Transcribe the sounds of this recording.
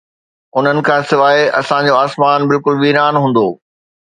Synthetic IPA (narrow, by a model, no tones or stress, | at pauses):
ʊn̤ənɪ̆kʰãːsɪʋaːeɐ̰sãd͡ʑoaːsmaːnbɪlkʊlʋiːɾaːnɦũːn̆d̪oː